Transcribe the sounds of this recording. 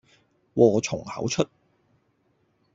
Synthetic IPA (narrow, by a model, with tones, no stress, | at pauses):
wɔː˨˧t͡ʃʰʊ˨˩ŋhɐ̰˨˥wt͡ʃʰɵ˥t̚